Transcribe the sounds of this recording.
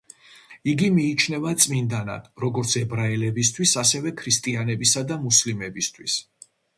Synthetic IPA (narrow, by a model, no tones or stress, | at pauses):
iɡimiːt͡ʃʰnɛvat̪sʼmind̪ana̰d̪̥ɾɔɡɔɾt̪sʰɛbɾaɛlɛbis̬t̪ʰwisasɛvɛkʰɾist̪ʼianɛbisad̪amuslimɛbist̪ʰwis